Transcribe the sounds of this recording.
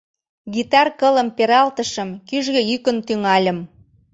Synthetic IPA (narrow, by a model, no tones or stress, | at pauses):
ɣit̪ɑrkələ̆mpeɾɑlt̪əʃə̆mkyʒɣĕjykə̆nt̪yŋɑlʲə̆m